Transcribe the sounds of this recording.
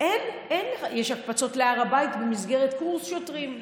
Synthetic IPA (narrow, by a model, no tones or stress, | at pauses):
ʔen | enjeʃakfat͡so̞t̪leaʁabajt̪bemizɡe̞ʁet̪kuʁsʃotʁim